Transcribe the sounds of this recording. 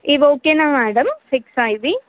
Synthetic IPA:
iʋoːkːenamaːɽɐmsiksajʋi

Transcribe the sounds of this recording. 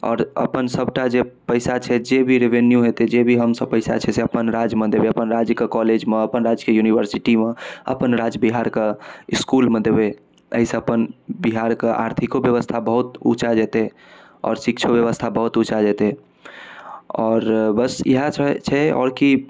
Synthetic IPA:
ɔ̰ːɾə̰pənsəbʈad͡ʒepəɪsat͡ʃʰɛd͡ʒebʱiɾeʋenjuɦet̪ed͡ʒebʱiɦəmsəb̚pəɪsa̰t͡ʃʰɛseəpənɾad͡ʒmed̪ebeəpənɾad͡ʒəkekɔled͡ʒmeəpənɾad͡ʒkejuniʋəɾsiʈimeə̰pənɾad͡ʒbiɦaɾkeiskulmed̪ebe | ə̰ɦiseəpənbiɦaɾkea̰ɾt̪ʰikobjəʋəst̪ʰabəɦut̪ṵt͡ʃad͡ʒɛt̪e | ɔ̰ːɾsikt͡ʃʰobjəʋəst̪ʰabəɦut̪ut͡ʃad͡ʒɛt̪e | ɔːɾbəsḭɦat͡ʃʰt͡ʃʰɛɔ̰ːɾki

